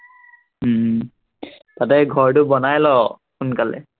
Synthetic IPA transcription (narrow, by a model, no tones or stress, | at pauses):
tatɛɡʱɔɹtʊbɔnajlɔ | xunkalɛ̰